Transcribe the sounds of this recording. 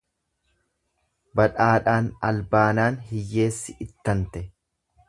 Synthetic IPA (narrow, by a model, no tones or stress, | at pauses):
bɐᶑaːᶑaːnɐlbaːnaːnhɪjːe̞ːsːɪʔɪt̪ːɐnt̪ɛ